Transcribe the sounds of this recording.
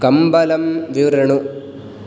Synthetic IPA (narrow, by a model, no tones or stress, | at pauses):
kɐmbɐlɐmʋiʋɾɐɳu